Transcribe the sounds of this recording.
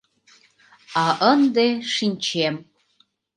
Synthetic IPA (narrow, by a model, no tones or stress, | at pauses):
aʔənd̪eʂinʲt͡ʃʰem